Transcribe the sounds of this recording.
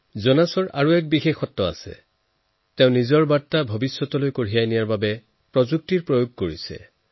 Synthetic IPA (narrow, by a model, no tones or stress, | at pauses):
zɔnasɔɹʔaɹuɛk̚bixexɔtːɔa̰sɛ̰ | tɛʊ̃nizɔɹbatːabʱɔbisːɔtɔlojkoɹijajnijaɹbabɛ | pɹɔzuk̚tiɹpɹojoɡ̚koɹisɛ̰